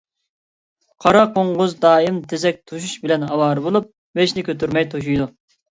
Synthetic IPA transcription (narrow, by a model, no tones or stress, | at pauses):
qʰɑɾɑqoɴʁʊzd̪ɑːimt̪ʰɪzɛk̚ʲt̪ʰoʃuʃbɪlɛnɦɑwɑːɾɨbolˠup̚ | beʃnɪkʲʰøt̪yɾmɛjt̪ʰoʃ̬ujd̪u